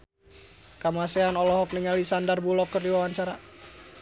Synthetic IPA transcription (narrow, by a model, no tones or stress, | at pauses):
kamasɛanɔlɔɦɔk̚niŋalisandarbulɔkːərdiwawaɲt͡ʃaɾa